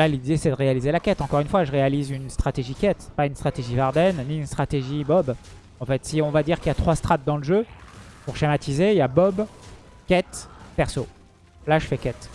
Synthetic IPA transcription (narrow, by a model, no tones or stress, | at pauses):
lalid̪esɛd̪əʁealizelakʲɛt̪ɑ̃kɔʁynfwaʒəʁealizynst̪χat̪eʒikʲɛt̪paynst̪χat̪eʒivaʁd̪ɛnːiynst̪χat̪eʒibɔb | ɑ̃fɛt̪siɔ̃vad̪iʁkiljat̪χwast̪χat̪̚d̪ɑ̃ləʒøpuʁʃemat̪ʰizeiljabɔb | kʲɛt̪pɛʁso | laʒəfɛkʲɛt̪